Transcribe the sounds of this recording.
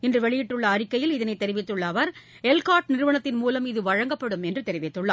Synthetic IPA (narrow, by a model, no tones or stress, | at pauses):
ɪndrɯʋɛɭɪjɪʈːɯɭːɐːrɪkːɐjɪlɪðɐnɐɪt̪ːɛɾɪʋɪt̪ːɯɭːɐʋɐɾ | ɛlkaːʈnɪɾɯʋɐɳɐt̪ːɪnmuːlɐmɪðɯʋɐɻɐŋɡɐpːɐɽɯmɛndrɯt̪ɛɾɪʋɪt̪ːɯɭːɐ̰ː